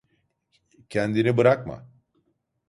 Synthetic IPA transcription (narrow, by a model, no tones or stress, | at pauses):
cʰɛnd̪inibɯɾakma̰